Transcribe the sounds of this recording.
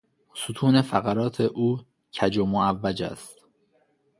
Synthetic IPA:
sut̪ʰuːne̞fæɣæɾɒːt̪ʰe̞ʔuː | cʰæd͡ʒomoævːæd͡ʒæ̰st̪

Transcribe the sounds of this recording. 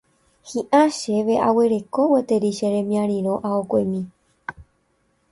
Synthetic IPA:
hĩʔãʃeʋeʔaweɾe̞ko̞wet̪eɾiʃeɾẽmĩãɾ̃ĩɾõ̞ʔaokʷemĩ

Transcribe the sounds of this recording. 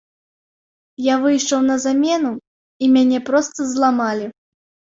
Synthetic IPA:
javɨjʂɐwnɐzamʲɛnu | imʲanʲɛpɾɔst̪ɐzlˠamalʲi

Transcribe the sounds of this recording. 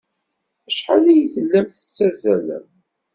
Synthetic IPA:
æʃħalæjθəlːæmθə̥t͡sːæzælæ̰m

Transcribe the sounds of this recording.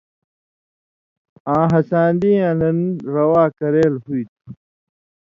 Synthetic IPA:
ãːɦɐsãːnd̪ĩːãːnɐnɾɐwaːkɐɾeːlhuit̪u̥

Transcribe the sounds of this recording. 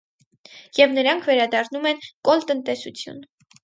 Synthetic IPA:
jɛvnəɾɑŋkʰvɛɾɑd̪ɑrnumɛnkɔlt̪ənt̪ɛsut͡sʰjṵn

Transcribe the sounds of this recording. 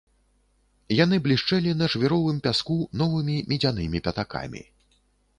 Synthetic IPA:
janɨblʲiʂt͡ʂɛlʲinɐʐvʲɛɾɔvɨmpʲaskunɔvɨmʲimʲid͡zʲanɨmʲipʲat̪aka̰mʲḭ

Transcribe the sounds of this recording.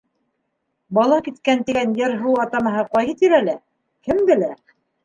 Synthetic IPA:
bɑlˠɑkit̪kænt̪ɘ̆ɡænjɘɾɦuwɑt̪ɑmɑ̆ɦɤqɑjhɤt̪iɾælæ | kɘmbɘ̆læ

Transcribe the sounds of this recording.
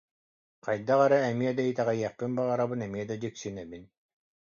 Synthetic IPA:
qajd̪aʁɛɾaːmiɛd̪ait̪ɛʁɛjɛqːɯnbaʁaɾabɯnɛmiɛd̪ad͡ʑiksynɛbin

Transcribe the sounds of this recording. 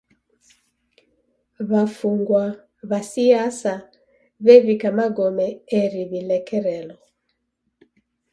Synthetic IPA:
βafuŋɡwa | βasiasa | βɛβikamaɡɔmɛɛɾiβilɛkɛɾɛlɔ

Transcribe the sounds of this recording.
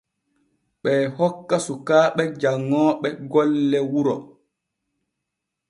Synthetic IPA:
ɓɛːhɔkːasukaːɓɛd͡ʒaŋːɔːɓɛɡɔlːɛwuɾɔ̰

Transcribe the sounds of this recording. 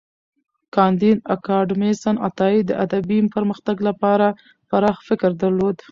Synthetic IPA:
kɑnd̪inakɑɖmesana̰t̪ɑid̪ːə̰ʔad̪abimpəɾməxt̪aɡlapɑɾa | paɾɑxfɪkɾd̪aɾlod̪

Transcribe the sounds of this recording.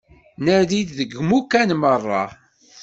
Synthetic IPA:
næðid̪ðəɡmukːænmərˤːɑ̰

